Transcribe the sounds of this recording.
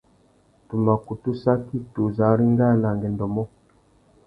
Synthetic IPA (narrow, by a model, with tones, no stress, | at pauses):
tu˨ma˨ku˨tu˦sa˦ki˦˨tu˨za˨˦ɾi˦ŋ˦ɡa˦˨na˨ŋɡɛ˨ndɔ˨mɔ˦